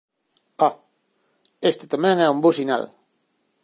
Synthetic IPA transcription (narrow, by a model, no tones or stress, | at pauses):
ɔ | est̪et̪amɛ̃ŋɛumbosina̰l